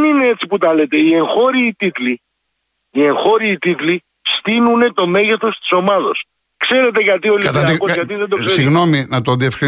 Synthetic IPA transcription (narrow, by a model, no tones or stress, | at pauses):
nine̞e̞t͡siput̪ɐle̞t̪e̞ie̞ŋxo̞ɾiːt̪it̪li | ie̞ŋxo̞ɾiːt̪it̪li | st̪inune̞t̪o̞me̞ʝe̞θo̞st̪i̥so̞mɐðo̞̰s | kse̞ɾe̞t̪e̞ɣɐt̪io̞liɐt̪ɐɐkozɣɐt̪iðend̪oksseiɣno̞minɐt̪oðiefxɾi